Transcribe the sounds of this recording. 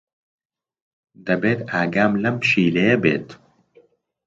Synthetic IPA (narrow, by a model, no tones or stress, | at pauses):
d̪ɐbeːt̪aːɡaːmlɐmpʃiːlɐjɐbḛːt̪